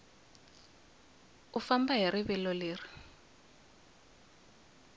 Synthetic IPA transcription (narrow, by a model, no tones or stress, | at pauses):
ufambaɦiɾɪβɛlɔlɪːri